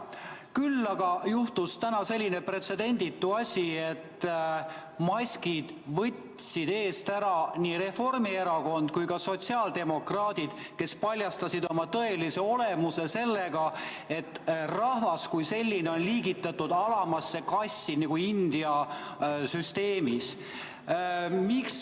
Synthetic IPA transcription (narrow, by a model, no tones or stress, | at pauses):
kylːɑɡɑjuht̪ust̪ænɑse̞lʲːine̞pre̞t̪se̞d̪e̞nʲd̪it̪ːˑuɑsʲiet̪ː | mɑsʲkid̪̥ | vɤtʲ | sid̪̥e̞ːst̪æɾɑniːɾe̞fo̞rmie̞ɾɑko̞nd̪̥̚kujkɑso̞t̪ʲsiɑːld̪e̞mo̞krɑːd̪̥id̪̥ke̞spɑlʲjɑst̪ɑsid̪o̞mɑt̪ɤe̞lise̞o̞le̞muse̞se̞lːeɡɑ | e̞t̪ːrɑhvɑskujse̞lʲːine̞o̞nliːɡit̪ːˑɑt̪ːˑud̪̥ɑlɑmɑsːe̞kɑsʲːiniɡ̥uind̪̥iɑ | syst̪e̞ːmis | miks